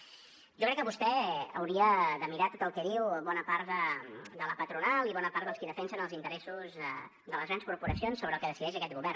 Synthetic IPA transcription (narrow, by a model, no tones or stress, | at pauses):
ʒɔkɾɛkːəβust̪ɛə̰wɾiəðəmiɾat̪ot̪əlˠkɛðiwβɔnəpaɾt̪əd̪ələpət̪ɾunalˠiβɔnəpaɾt̪d̪əlˠskiðəfɛnsənəlˠzint̪əɾɛsuzə | d̪ələzɣɾanskuɾpuɾəsionsːoβɾəːlˠkəðəsiðɛʃəkɛt̪̚ɣuβɛr